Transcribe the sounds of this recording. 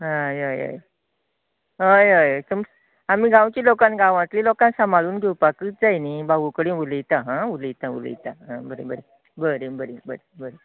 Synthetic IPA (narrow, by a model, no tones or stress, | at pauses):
ɦãjəjə̰j | ɦəjəjət̪əms | amiːɡʱãwt͡ɕiːlokãnɡãʋãt̪lilokãnsamaɭuːnɡʱeupakɨːt̪̚d͡zajnibaɡukəɽĩʋulijt̪aɦãulijt̪ãṵl̰jt̪aɦãbəɾḛbəɾe | bəɾebəɾebəɾebəɾe